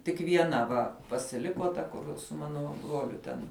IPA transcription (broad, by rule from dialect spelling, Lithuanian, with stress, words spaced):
tʲɪk ʋʲiɛˈnɐ ˈʋɐ pɐsʲɪˈlʲɪkoː ˈtɐ kʊr sʊ ˈmɑːnoː ˈbruɔlʲʊ tʲɛn